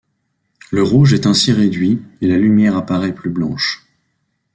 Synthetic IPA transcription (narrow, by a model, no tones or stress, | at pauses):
ləʁuʒɛt̪ɛ̃siʁed̪ɥielalymjɛʁapaʁɛplyblɑ̰̃ʃ